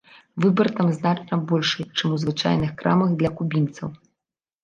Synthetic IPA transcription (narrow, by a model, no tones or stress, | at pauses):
vɨbɐrt̪amznat͡ʂnɐbɔlʲʂɨt͡ʂɨmuzvɨt͡ʂa̰jnɨxkɾa̰mɐɣd̪lʲɐkubʲint̪sɐw